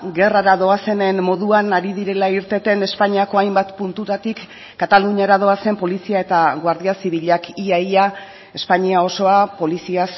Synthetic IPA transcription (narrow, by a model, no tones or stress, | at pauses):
ɡe̞raɾaðo̞ase̞ne̞nmo̞ðuanaɾið̞iɾe̞laiɾt̪e̞t̪e̞ne̞spaɲiako̞ajmbat̪punt̪ut̪at̪ikː | at̪aluɲaɾað̞o̞ase̞mpo̞lisiae̞t̪aɣwaɾðiasiβiʎakiaia | e̞spaɲiao̞so̞apo̞lisias